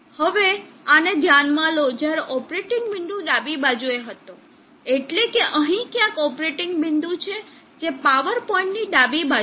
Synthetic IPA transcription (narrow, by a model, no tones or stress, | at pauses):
həʋeaned̪ʱjanmãlod͡ʒjaɾeʔɔpɾeʈɪŋɡbɪnd̪ũɖabibad͡ʒueɦət̪ũ | eʈlekeʔəɦĩkjãkɔpɾeʈɪŋɡbɪnd̪ũt͡ʃʰe | d͡ʒepaʋəɾpɔĩɳʈniɖabiba